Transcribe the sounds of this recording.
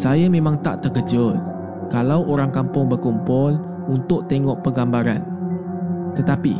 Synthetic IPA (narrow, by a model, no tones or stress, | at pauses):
sajamẽmãŋt̪a̰ʔt̪əɡəd͡ʒʊt̪̚ | kalawʔoɾaŋkampʊŋbərkumpʊl | unt̪ʊk̚t̪eŋɔʔpəɡambaɾa̰n | t̪ət̪api